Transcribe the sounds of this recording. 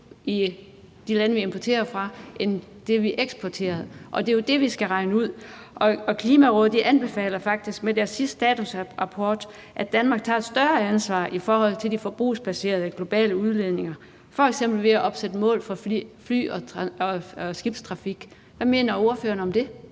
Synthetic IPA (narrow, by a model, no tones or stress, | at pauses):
i | d̥ilænəʋiempʰɒt͡sʰe̝̰ːɐfʁɑ̈ʔen | d̥e̝ʋiʔeɡ̥sb̥ʰɒt͡sʰe̝̰ːɐð̩ˠʔɒ̽d̥e̝jo̝d̥e̝ʋisɡ̥æʁɑ̈ɪnəuð̞̰ˠ | ʔɒ̽ɒ̽kʰliːmæʁɔðˠd̥iʔænb̥e̝fɛ̰ːlɐfɑ̈ɡ̥̚d̥isɡ̥med̥æɐsːisd̥d̥ɛːt͡sʰusʁɑ̈pʰɒːd̥ | ʔæ̥ænmɑ̈ːɡ̥̚t͡sʰɑ̈ːed̥sd̥ɶɐænsʋɑ̰̈ːʔifɒːhɒ̽l̰t͡sʰe̝ldifɒb̥ʁṵːsb̥æse̝̰ːɐðˠəɡ̥lo̝b̥ɛ̰ːləuð̞ˠle̝ðˠne̝ŋɐ | fɒ̽eɡ̥sem̰b̥l̩ʋe̝æʔɒ̽b̥sed̥əmɔ̰ːlfɒ̽fly̰ːɒ̽ɒɒsɡ̥ib̥st͡sʰʁɑ̈fiɡ̥ | ʋæme̝̰ːnɐoɐføːɐnɒ̽md̥e̝